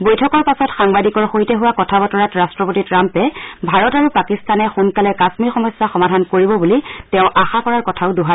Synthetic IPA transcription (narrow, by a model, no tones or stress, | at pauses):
bojtʰɔkɔɹpasɔtxaŋbadikɔɹxoɦitɛɦuwakɔtʰabɔtɔɹatɹastɹɔpotitɹampɛbʱaɹɔtaɹupakistanɛxunkalɛkasmiɹxɔmɔsːaxɔmadʱankoɹibɔbulitɛʊ̃ʔaxakɔɹaɹkɔtʰaʊduɦa